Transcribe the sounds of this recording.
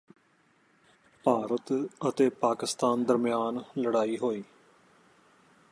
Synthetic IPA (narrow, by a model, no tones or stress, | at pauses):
paːɾət̪ət̪eːpaːkɪst̪aːnd̪əɾmɪjaːnləɽaːiːɦoːiː